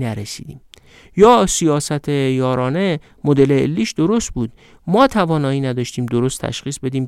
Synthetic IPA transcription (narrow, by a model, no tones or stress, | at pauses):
næɾesḭːd̪iːm | jɒːsijɒːsæt̪ʰejɒːɾɒːne̞ | mod̪e̞leːlːiːʃd̪oɾost̪̚buːd̪̚ | mɒːt̪ʰævɒːnɒːiːnæd̪ɒːʃt̪iːmd̪oɾost̪ʰæ̰ʃxiːsbe̞d̪iːm